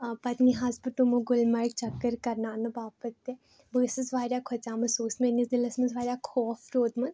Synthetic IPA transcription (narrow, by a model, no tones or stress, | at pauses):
pɐt̪niɦazbɐʈumõɡʊlmɐɾk̚t͡ʃɐkːəɾkɐɾnaːnɐbaːpət̪ːe | bəːsəsʋaːɾʲjaːkʰɐt͡ʃaːmɐsuːsmenisd̪ɪlɐsmɐzʋaːɾʲjaːkʰɔːfɾoːd̪mɐn